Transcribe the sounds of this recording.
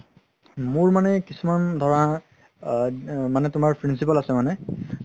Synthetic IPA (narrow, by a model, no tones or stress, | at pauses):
mʊɹmanɛkisumandʱɔɹa | manɛtʊmaɹpʰɹinsipalasɛmanɛ